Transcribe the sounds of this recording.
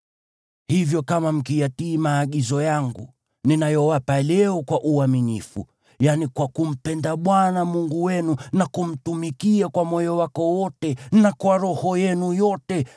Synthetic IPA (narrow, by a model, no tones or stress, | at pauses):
hivjɔkamam̩kijatiːmaːɠizɔjaŋɡṵ | ninajɔwapalɛɔkwaʔuaminifṵ | janikwakum̩pɛndaɓwanamuŋɡuwɛnunakum̩tumikiakwamɔjɔwakɔwɔtɛnakwaɾɔhɔjɛnujɔtɛ